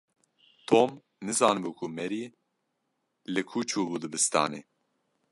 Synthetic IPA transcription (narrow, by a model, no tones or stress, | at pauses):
t̪ʰoːm | nɨzɑːnbuːkʰumɛɾiː | lɨkʰuːt͡ʃʰuːbuːd̪ɨbɨst̪ɑ̰ːnḛː